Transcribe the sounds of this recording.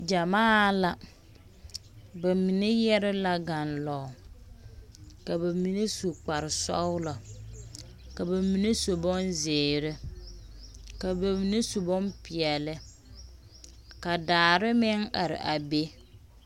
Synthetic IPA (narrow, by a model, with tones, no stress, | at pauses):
d͡ʒa˨maː˦la˨ | ba˨mi˨ne˦jɛ˦ɾɪ˦la˨ɡa˨nlɔ˨ | ka˨ba˨mi˨ne˦su˨k͡pa˨ɾɪ˨sɔ̰˦wlɔ˨ | ka˨ba˨mi˨ne˦so˨bɔ˦nzɪː˨ɾɪ˦ | ka˨ba˨mi˨ne˦so˨bɔ˦npɪ˨ɛ˨lɪ˦ | ka˨daː˨ɾɪ˦mɛ˦ŋa̰˨ɾɪ̰˨ʔa˨be˦